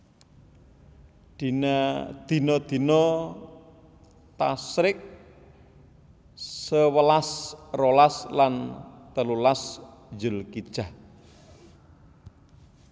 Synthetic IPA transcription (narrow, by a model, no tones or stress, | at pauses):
d̪̥inad̪̥i̤nɔd̪̥i̤nɔ | t̪asɾɪk̚ | səwəlasrolaslant̪əlulasd͡ʒəlkid̥ʒ̥ah